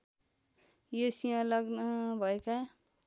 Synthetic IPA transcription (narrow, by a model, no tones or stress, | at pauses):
josijãlʌɡnʌbʱʌeka